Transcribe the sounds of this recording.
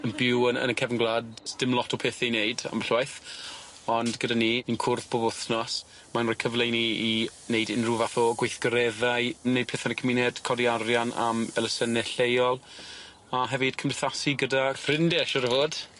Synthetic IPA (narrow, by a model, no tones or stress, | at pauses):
ənbɪwənə̰nəkʰɛvənɡlˠadstɪmlˠɔtʰɔpʰeːθɛnejda̰mɬwajθ | ɔndɡədaniːənkʰʊrθb̥ɔbɔθnɔs | manɔkʰəvlˠejniinejdɪnruvaθɔɡwejθɡ̥əɾɛðajnejd̚pʰeːθanəkʰəminɛd̥kʰɔdiaɾjana̰mɛlˠəsənɛɬejɔlˠ | aɦɛvɨd̥kʰəmɪθasiɡədafrɪndɛʃɔɾəvoːd̥